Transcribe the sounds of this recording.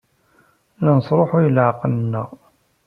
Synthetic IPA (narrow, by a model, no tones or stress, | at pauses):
lænəsˤɾˤoħʊjəlʕqənnːəʁ